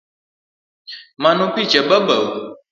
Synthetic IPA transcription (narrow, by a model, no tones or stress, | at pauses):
mãnũpid͡ʒɛbəbəwo